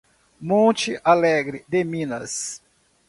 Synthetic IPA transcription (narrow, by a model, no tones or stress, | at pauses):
mõnt͡ʃɪʔalɛɡɾɪd̪emĩnɐs